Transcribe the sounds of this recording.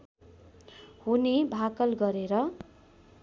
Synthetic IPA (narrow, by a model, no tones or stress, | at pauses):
hunibʱakʌlɡʌɾeɾʌ